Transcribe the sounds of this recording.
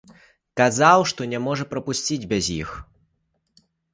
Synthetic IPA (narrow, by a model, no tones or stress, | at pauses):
kazawʂt̪ɔnʲɛmɔʐɐpɾɐpusʲt͡sʲid͡zʲbʲɛzʲjix